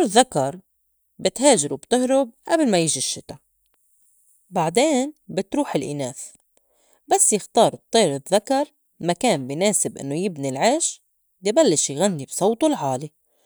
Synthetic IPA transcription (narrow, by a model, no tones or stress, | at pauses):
ɾðːakɑɾˤ | bɪt̪ɦaːʒɪɾwbt̪ɪɦɾʊb̚ʔabɪlmajɪʒiʃːɪt̪a | baʕd̪eːnbɪt̪ɾuːħɪlʔɪ̰neːθ | basːjɪxt̪ɑːɾˤt̪ˤːiːɾɪðːakɑɾˤ | makaːnbɪneːsɪbʔɪ̰nːojɪbnilʕeːʃ | jbalːɪʃjɣanːibsˤɑwt̪ˤulʕaːli